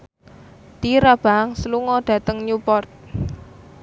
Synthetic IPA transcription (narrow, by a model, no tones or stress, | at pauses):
t̪iɾab̥a̤ŋsəluŋɔɖ̥a̤t̪əŋɲupɔrt̪̚